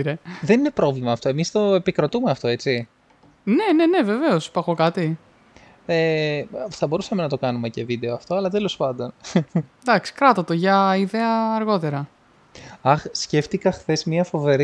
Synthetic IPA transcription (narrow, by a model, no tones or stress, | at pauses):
iɾeðe̞nine̞pɾo̞vlimɐːft̪o̞emist̪o̞epikɾo̞t̪ume̞ɐft̪o̞e̞t͡si | ne̞ne̞ne̞ve̞ve̞ospɐxokɐt̪i | e | θɐbo̞ɾusɐme̞nɐt̪o̞kɐnume̞ce̞vid̪e̞oɐft̪o̞ɐlɐt̪e̞lo̞spɐnd̪o̞n | d̪ɐksi̥kɾɐt̪ot̪o̞ʝɐiðe̞ɐːɾɣo̞t̪e̞ɾɐ | ɐxsce̞ft̪ikɐxθe̞zmɲiɐfo̞ve̞ɾ